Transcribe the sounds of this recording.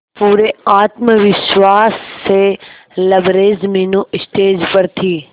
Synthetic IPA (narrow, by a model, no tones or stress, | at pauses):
puːɾeaːt̪məʋɪʃwaːsːe | lɐbɾeːzmiːnuɪst̪eːd͡ʒpɐɾt̪ʰiː